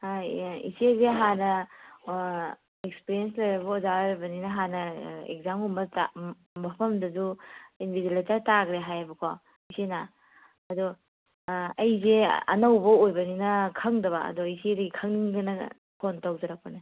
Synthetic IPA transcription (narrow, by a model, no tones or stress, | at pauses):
aḭsezeɦanɐ | ek̚spiɾiens̬lɐjɾɐbɐɔzaɾebɐninɐɦanɐḛk̚zamumɐta̰ | mɐpʰɐmdɐzuinbʱidilatataɡɾeɦajabɐkʰo | isena | ɐdɔ | ɐjzeɐ̰nɐwbɐojbɐninɐkʰɐŋdɐβaɐ̰dɔisedɐɡikʰɐŋniŋɡɐnɐ | pʰontawdɐɾɐk̚pana